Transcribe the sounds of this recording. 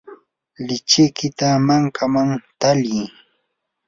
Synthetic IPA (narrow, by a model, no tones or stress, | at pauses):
lɪt͡ʃɪkɪt̪amaŋkʰamaŋt̪alij